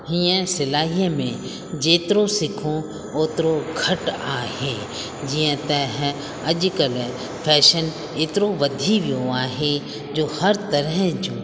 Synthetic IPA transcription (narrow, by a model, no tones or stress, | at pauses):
hiə̃sɪlaːɦijəmẽ | d͡ʑeːt̪ɪɾosɪkʰõ | oːt̪ɪɾoɡʰʱɐʈaːheː | d͡ʑiːə̃t̪ɐɦ | ɐʄkəl | pʰɛːʃən | eːt̪ɪɾoʋɐd̪ʱiʋijoaːɦe | d͡ʑoːhɐɾt̪ɐɾəɦd͡ʒũː